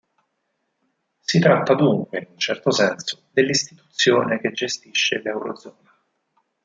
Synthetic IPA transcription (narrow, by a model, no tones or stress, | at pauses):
sit̪ɾat̪ːad̪uŋkweinunt͡ʃɛrt̪osɛnso̥d̪elːist̪it̪u̥t̪sːjo̰ːneked͡ʒːest̪iʃːelɛwɾo̰d̪zɔːna